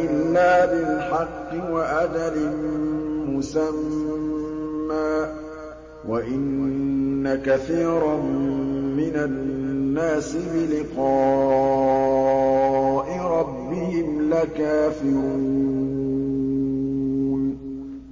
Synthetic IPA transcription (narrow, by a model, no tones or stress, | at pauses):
ʔɪlːaːbɪlħɑqːɪwaʔad̪aɾɪnmʊsam | aː | waʔɪnː | akaθiːɾˤɑmː | ɪnanːaːsɪbɪlɪqɑː | ʔɪɾˤɑbːɪhɪmlakaːfɪɾɾu | n